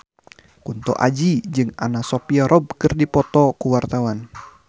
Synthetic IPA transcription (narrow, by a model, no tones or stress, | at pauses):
kunt̪ɔ̰ʔa̰d͡ʒid͡ʒɨŋa̰nasopiaɾʔɔb̚kɨrdipɔt̪ɔkuwart̪awan